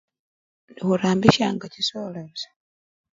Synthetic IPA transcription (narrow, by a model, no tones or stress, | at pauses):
nixuɾaːmbiʃaːŋɡacisolesḁ